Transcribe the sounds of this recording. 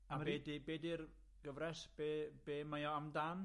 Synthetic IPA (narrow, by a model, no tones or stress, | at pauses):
aeːdibeːdɪr | ɡ̥əvrɛsb̥eːbeːmajɔamdan